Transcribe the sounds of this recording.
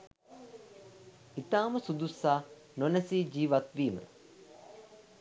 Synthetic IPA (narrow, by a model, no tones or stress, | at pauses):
it̪aːməsud̪usːaː | nonəsiːd͡ʒiːʋat̪ʋiːmə̰